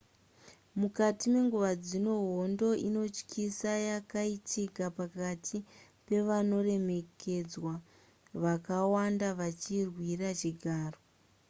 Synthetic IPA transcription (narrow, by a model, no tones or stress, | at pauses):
mukatime̞ŋɡuʋad͡zino̞ɦondo̞ʔino̞t͡ʃkʰisajakaitʰikapakatʰi | pe̞ʋano̞re̞me̞kʰe̞d͡zwa | ʋakawandaʋat͡ʃirwirat͡ʃiɡʱaːro